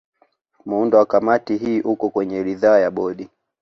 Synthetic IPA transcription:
m̩undɔwakamatiɦiːʔukɔkwɛɲɛɾiðaːjaɓɔɗi

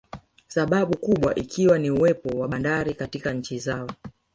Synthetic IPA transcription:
saɓaɓukuɓwaʔikʰiwaniuwɛpɔwaɓandaɾikatikaɲ̩t͡ʃizaɔ

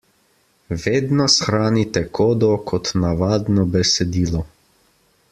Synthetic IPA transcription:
ʋeːd̪nɔsxɾaːnit̪ɛkʰoːd̪ɔkʰɔt̪naʋaːd̪nɔbɛsɛd̪iːlɔ

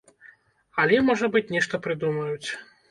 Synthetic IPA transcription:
ɐlʲɛmɔʐɐbɨt͡sʲnʲɛʂt̪ɐpɾɨd̪umɐjut͡sʲ

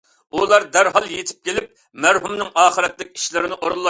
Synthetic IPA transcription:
ulˠɑɾd̪æɾɦɑlˠjet̪ʰɪ̥p̚kʲʰelɪp̚ | mæɾɦumnɪŋɑːχəɾɛt̪lɪkʲi̥ʃlɪɾɪnɪʔoɾɨlˠːɑ

